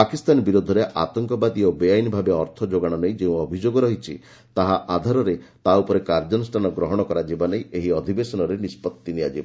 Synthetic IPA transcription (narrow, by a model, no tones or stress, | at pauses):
pakist̪anbiɾud̪ʱɔɾeʔat̪ɔŋkɔbad̪iobejajnibʱabeɔɾt̪ʰɔd͡ʒoɡaɽ̃ɔnejd͡ʒeũɔbʱid͡ʒoɡɔɾɔɦit͡ʃʰi | t̪aɦaʔad̪ʱaɾɔɾet̪aupɔɾekaɾd͡ʒɔnɔsʈʰanɔɡɾɔɦɔɽ̃ɔkɔɾad͡ʒibanejeɦiɔd̪ʱibesɔnɔɾenispɔt̪ːiniad͡ʒiba